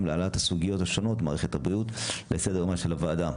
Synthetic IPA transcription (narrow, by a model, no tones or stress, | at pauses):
mlealat̪hasuɡijo̞thaʃo̞no̞tmaːʁeχethabʁiut̪lesed̪eʁmaʃelavaːd̪a